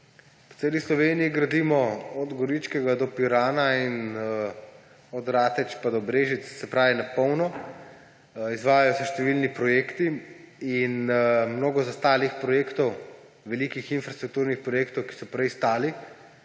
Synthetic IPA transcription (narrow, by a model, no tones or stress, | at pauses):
pɔ̥seːlislɔʋeːnijiɡɾad̪imɔɔd̪ɡɔɾit͡ʃkɛɡad̪ɔpiɾaːnain | ɔd̪ɾaːt̪ɛt͡ʃpad̪ɔbɾeːʒit̪ssɛpɾaːʋinapɔwnɔ | izʋaːjajɔsɛʃt̪ɛʋilnipɾɔjeːkt̪iinmnoːɡɔzast̪aːlixpɾɔjeːkt̪ɔw | ʋɛliːkixinfɾast̪ɾuk̚t̪uɾnixpɾɔjeːkt̪ɔwki̥sɔpɾɛjst̪aːli